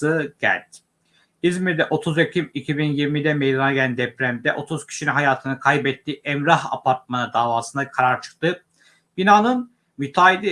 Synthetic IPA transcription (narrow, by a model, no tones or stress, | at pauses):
ɯɟæ̰ɾʲt̪ | izmiɾd̪ɛʔo̞t̪ʰuzecʰimicʰibinjiɾmid̪ɛmejd̪anaɡɟelʲænd̪ɛpɾæmd̪ɛʔo̞t̪ʰuz̥cʰi̥ʃininɦajaːt̪ʰɯnɯkʰajbɛt̪ːiːʔɛmɾaɦa̰pʰaɾt̪̚manɯd̪aːvaːsɯnd̪akʰaɾaɾt͡ʃʰɯ̥k̚t̪ɯ | b̥inaːnɯn | myt̪ʰaːid̪i